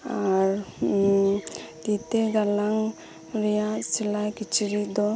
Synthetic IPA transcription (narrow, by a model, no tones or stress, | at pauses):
aɾ | t̪it̪eɡalaŋ | ɾɛjasilajkit͡ʃiɾid̪ɔ